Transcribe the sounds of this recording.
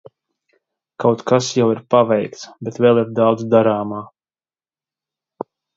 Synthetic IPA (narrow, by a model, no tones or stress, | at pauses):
kawt̪kasjawiɾpavɛjkt̪sbɛt̪vɛlˠiɾd̪awd̪zd̪aɾaːmaː